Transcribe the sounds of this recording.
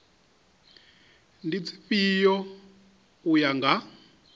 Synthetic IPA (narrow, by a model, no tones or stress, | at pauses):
ndit͡sʰi̥pijɔ | ujaŋɡa